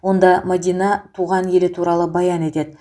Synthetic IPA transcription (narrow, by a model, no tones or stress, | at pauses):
wo̞nd̪ɑmod̪ʲijnɑt̪ʰuʁɑnje̞lɪt̪ʰuɾɑlˠəbɑjɑne̞t̪e̞d̪ɪ